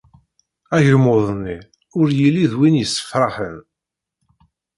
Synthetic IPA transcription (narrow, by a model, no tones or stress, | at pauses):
æʝəlmoðˤnːi | ʊɾjilːiðwinjəsːə̥fɾˤɑħən